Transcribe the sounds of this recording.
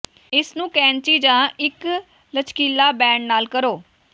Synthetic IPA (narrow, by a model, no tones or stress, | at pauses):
ɪsnũːkɛ̃ːnt͡ʃiːd͡ʒãːɪk | lət͡ʃkiːlaːbɛ̃ːɳɖnaːlkəɾoː